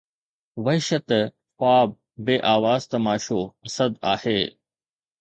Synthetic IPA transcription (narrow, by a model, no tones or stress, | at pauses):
ʋɐɦɪʃət̪ | paːb̚ː | eːʔaːʋaːzt̪ɐmaːʃoɐsɐd̪a̰ːheː